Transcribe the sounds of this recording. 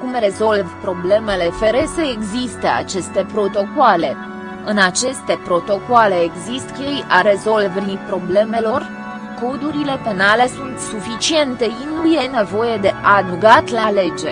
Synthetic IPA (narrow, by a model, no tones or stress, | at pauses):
kumre̞zo̞lvpɾo̞ble̞me̞le̞fe̞ɾesəeɡzist̪əa̰t͡ʃe̞st̪e̞pɾo̞t̪o̞koale̞ | ɨnat͡ʃe̞st̪e̞pɾot̪o̞koale̞ːɡzist̪kʲejaɾe̞zo̞lvɾipɾo̞ble̞me̞lo̞r | ko̞d̪uɾile̞pe̞nale̞sunt̪sufit͡ʃie̞nt̪einuje̞ne̞vo̞je̞d̪e̞ʔad̪uɡat̪lale̞d͡ʒe